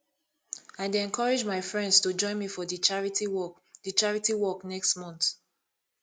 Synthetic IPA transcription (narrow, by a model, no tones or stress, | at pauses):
aɪdeɛ̃nkʰɔɹid͡ʒmaɪfɹɛ̃ndstud͡ʒɔ̃ɪ̃nmifɔdit͡ʃaɹiti | dit͡ʃaɹitiwɔknɛkstmɔ̃nθ